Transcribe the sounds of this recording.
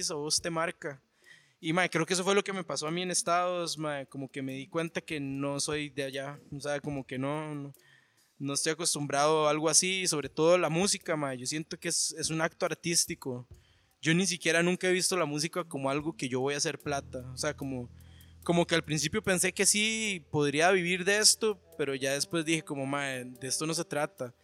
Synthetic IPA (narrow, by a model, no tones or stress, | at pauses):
s̬oust̪emaɾka | imaekɾe̞okee̞s̬o̞fwe̞lo̞ke̞me̞paso̞amie̞ne̞st̪aðosmaekomo̞ke̞me̞ðikwe̞nt̪ake̞no̞so̞jd̪eaʝaoseako̞moke̞nono | noest̪o̞jako̞st̪umbɾaðoalɣoasiːso̞βɾe̞t̪o̞ð̞olamusikamaeʝo̞sje̞nt̪o̞keese̞sunak̚t̪oaɾt̪ist̪iko | ɟ͡ʝo̞nis̬ikjeɾanũŋkae̞βist̪o̞lamus̬ikakomoalɣo̞ke̞ʝo̞βo̞jas̬eɾplat̪aose̞akomoko̞mo̞kealpɾins̬ipjope̞nse̞ke̞sipo̞ðɾiaβiβiɾðeest̪ope̞ɾo̞ʝaðe̞spwe̞zd̪ixe̞ko̞mo̞maed̪e̞est̪o̞no̞s̬e̞t̪ɾat̪a